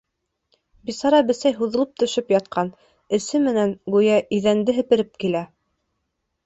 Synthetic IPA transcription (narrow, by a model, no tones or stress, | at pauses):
bisɑɾɑbɘ̆sæjɦuðɤ̆lˠɤp̚t̪ɵ̆ʃɵpjɑt̪̚qʰɑn | ɘ̆sɘmɘ̆næŋɡujæʔiðænd̪ɘɦɘ̆pɘ̆ɾɘp̚kilæ